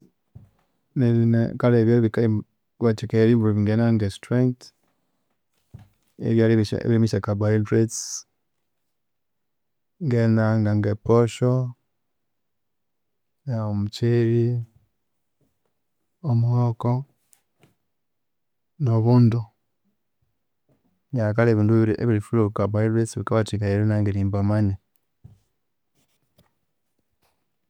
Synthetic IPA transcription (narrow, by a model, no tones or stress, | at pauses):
neninḛkaleβjoβika | βat͡ʃikeɾiβuɾiβiŋɡenaŋɡestɾeŋt | ḛβja̰βimiʃakabaidɾets | ŋɡenaŋɡaŋɡepoʃo | neomut͡ʃeɾi | omuhoko | noβuːndu | ɲakaleβiːnduɾḛβiɾifulukabailesβikaβatikaiɾenaŋɡeɾiːmbamaɲa